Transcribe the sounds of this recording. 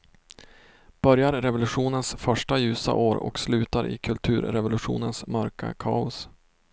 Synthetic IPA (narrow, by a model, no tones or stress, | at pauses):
b̥œɾjaɾɾɛvʊlɵɧuːnənsfœʂʈajʉ̟ːsa̰ʔoːɾɔ̰kslʉ̟ːt̪aɾɪ̰kʰɵlt̪ʰʉ̟ːɾɾɛvʊlɵɧṵːnənsmœɾka̰kʰɑːʊs